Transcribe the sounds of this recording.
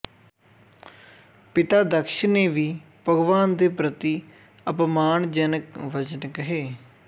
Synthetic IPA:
pɪt̪aːd̪əkʃneːʋiː | pəɡʋaːnd̪eːpɾət̪iː | əpmaːɳd͡ʒənəkʋəd͡ʒənkəɦeː

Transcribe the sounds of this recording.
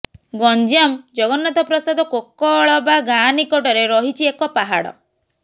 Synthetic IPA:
ɡɔnd͡ʒamd͡ʒɔɡɔnat̪ɔpɾɔsad̪ɔkokːɔɭɔbaɡanikɔʈɔɾeɾɔɦit͡ʃʰiekɔpaɦaɽɔ̰

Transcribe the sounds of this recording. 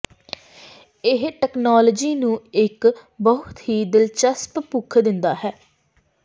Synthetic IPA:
ɪɦʈɛːknaːləd͡ʒiːnũːɪkbəɦʊt̪ɦiːd̪ɪlt͡ʃəsppukʰd̪ɪnd̪aːɦɛː

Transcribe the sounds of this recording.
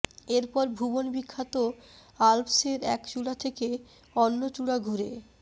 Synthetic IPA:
eɾpɔɾbʱubonbikʰːat̪oalpseɾɛkʃulat̪ʰeke | ɔnːot͡ɕuɽaɡʱuɾe

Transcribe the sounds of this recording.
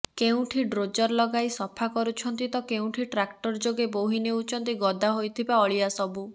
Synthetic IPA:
keũʈʰiɖɾod͡ʒɔɾlɔɡajsɔpʰakɔɾut͡ʃʰɔnt̪it̪ɔkeũʈʰiʈɾak̚ʈɔɾd͡ʒoɡeboɦineut͡ʃʰɔnt̪iɡɔd̪ʱaɦojt̪ʰibaɔɭiasɔbu

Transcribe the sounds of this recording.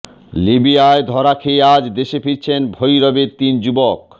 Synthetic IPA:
libiaed̪ʱɔɾakʰead͡ʑd̪eʃefiɾt͡ɕʰenbʱojɾɔbeɾt̪ind͡ʑubɔk̚

